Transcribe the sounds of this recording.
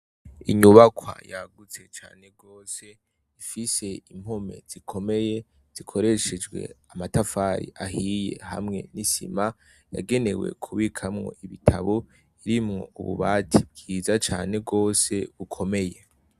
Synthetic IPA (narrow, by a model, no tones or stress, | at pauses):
iɲuβakwa̰jaɡut͡se̞t͡ʃa̰ːne̞ɡo̞ːse̞ | ifise̞im̥ho̞me̞̰z̥ikʰo̞me̞je̞ | z̥ikʰo̞ɾe̞ʃed͡ʒɡwe̞̰amatafaːɾḭʔaɦijḛha̰mŋe̞̰nisḭma | ja̰ɡe̞ne̞we̞̰kʰuβikʰamŋo̞̰ʔiβitʰaβo | iɾimŋo̞̰uβṵβaːtʰib̚ɡiːzat͡ʃaːne̞ɡo̞ːse̞βukʰo̞me̞je̞